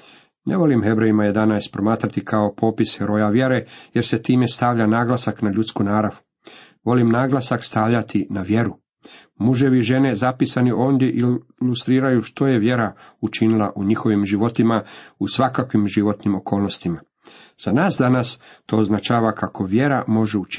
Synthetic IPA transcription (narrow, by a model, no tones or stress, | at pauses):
neʋo̞limxe̞bɾejimaje̞d̪anaːspɾo̞maːt̪ɾat̪ikʰao̞po̞ːpisxeɾo̞jaʋje̞ɾe̞je̞ɾset̪iːme̞st̪aʋʎanaːɡlasaknaʎut̪skunaːɾaʋ | ʋo̞limnaːɡlasakst̪aʋʎat̪ʰinaʋje̞ɾu | muʒe̞ʋiʒe̞ne̞zapisaniʔo̞ːnd̪je̞ʔilust̪ɾiːɾajuʃt̪o̞je̞ʋje̞ɾaut͡ʃinilˠaʔuɲixo̞ʋimʒiʋo̞t̪imausʋakakʋimʒiʋo̞t̪nimo̞ko̞ːlˠno̞st̪ima | z̥anaːsd̪anast̪o̞ːznat͡ʃaːʋakʰako̞ʋje̞ɾamo̞ʒeut͡ʃi